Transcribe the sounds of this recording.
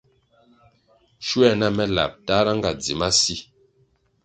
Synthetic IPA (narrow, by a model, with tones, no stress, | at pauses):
ʃu˦ɛ˦˨na˦˨mɛ˦la̰˨p̚ta˦ɾa˦ŋ˦ɡa˨d͡zi˨ma˦si˦